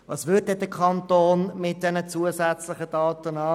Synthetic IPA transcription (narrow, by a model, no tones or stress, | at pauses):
vɑːsvʏt̚dɛdəkʰɑntoːnmɪt̚d̥ɛnət͡suəsɛt͡slɪχəd̥ɑːtənɑː